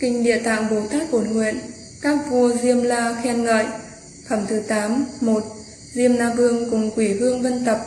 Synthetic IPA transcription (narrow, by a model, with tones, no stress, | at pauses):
kï˧ŋ̟ɗḭ˧˨ət̪a̰ː˧˨ŋɓo˨˦t̪aː˦˥k̚ʔo˧˩nŋwḭ˧˨ən | kaː˦˥k̚vu˧əzi˧əmlaː˧xɛ˧nŋə̰ː˧˨j | fə˧˩mt̪ʰɨ˨˦t̪aː˨˦mmo˨˩t̚ | zi˧əmnaː˧vɨ˧əŋkʊ˨˩ŋ͡mkwi˧˩vɨ˧əŋvə˧nt̪ə˨˩p̚